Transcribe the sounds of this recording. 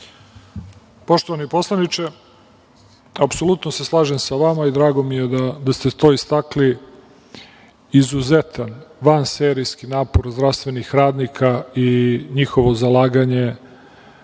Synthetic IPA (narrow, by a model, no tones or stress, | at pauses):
po̞ʃt̪oʋanipo̞slˠanit͡ʃe | apso̞lut̪noseslˠaːʒe̞msaʋamaid̪ɾaːɡo̞mije̞d̪ad̪ast̪et̪o̞ist̪akli | izuzet̪anʋanseːɾijskinaːpo̞ɾzd̪ɾafst̪ʋe̞nixɾaːd̪nikʰaiɲixo̞ʋo̞zalaːɡaɲe̞